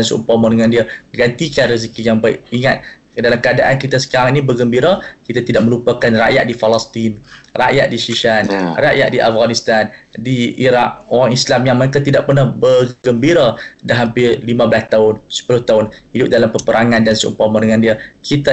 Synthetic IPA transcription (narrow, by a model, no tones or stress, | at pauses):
ansuʔṵmpamɔdəŋandiaɡant̪ikanris̬kijaŋbaɪ̰ʔ̚iŋat̪̚ | dalamkəadaʔankit̪asə̥kaɾaŋinibəɡəmbiɾakit̪at̪idaʔ̚mə̃lupakanra̰ʔja̰ʔ̚difalast̪inra̰ʔjaʔ̪̚diʃiʃanraʔja̰ʔ̚diʔafɡanist̪andiiɾak̚oɾaŋislamjaŋməekat̪idaʔ̚pərnahbərɡəmbiɾadaɦampɪlimãbəlast̪aʊnsə̥pulʊht̪aʊnhidʊp̚dalampəpəɾaŋandansuʔṵmpamɔdəŋandiəkit̪a